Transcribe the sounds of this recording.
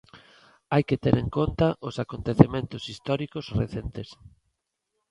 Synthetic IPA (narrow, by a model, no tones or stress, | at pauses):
ajket̪eɾeŋkont̪ɐʔʊsakont̪eθemẽnt̪ʊsist̪ɔɾikosrḛθent̪es